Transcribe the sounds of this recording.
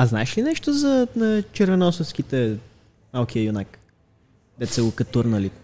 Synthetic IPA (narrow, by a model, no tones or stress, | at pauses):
ɐznaɛʃlinɛʃt̪ozɐnɐt͡ʃɛɾvɛnɔsəfsk̟it̪ɛ | malˠk̟ijəjunak | d̪ɛt̪sɛɡokɐt̪uɾnəli